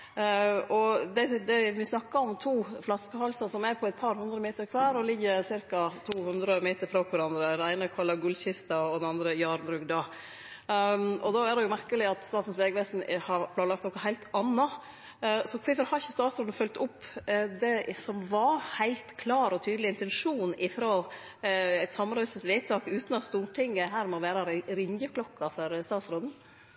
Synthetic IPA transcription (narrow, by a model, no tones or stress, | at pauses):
ɔd̪ɛd̪ɛʋɪsnɑkːɑɔmt̪ʰuːflɑskəhɑlsɑsɔmæɾpʰɔæɪt̪̚pʰɑɾhʉnd̪ɾəmeːt̪əɾkʰʋæːɾɔlɪɡːəsɪɾkɑt̪ʰuːhʉnd̪ɾəmeːt̪əɾfɾɑːkʰʋæɾɑnd̪ɾəd̪ɛnæɪnəkʰɑlːɑɡʉlçɪst̪ɑɔd̪ɛnɑnd̪ɾəjɑːɾbɾʉːɡd̪ɑː | ɔd̪ɑædɛjʊmæɾkəlɪɑt̪st̪ɑːt̪n̩sʋɛːɡəʋæsnhɑɾpʰlɑːnlɑkt̪ɔkəɦæɪlt̪ɑnːɑ | sɔkʰɪfɔɾhɑɾɪçəst̪ɑːt̪sɾoːd̪n̩fœlt̪ʊpːd̪ɛsɔmʋɑhæɪlt̪kʰlɑːɾɔt̪ʰyːd̪əlɪɪnt̪ɛnʂuːnɪfɾoː | æɪt̪sɑmːɾœʏsəsʋeːt̪ʰɑːkʉːt̪nɑt̪st̪uːʈʰɪŋːəɦæːɾmɔʋæːɾɑɾɾɪŋjəkʰlɔkːɑfɔɾst̪ɑːt̪sɾoːd̪n̩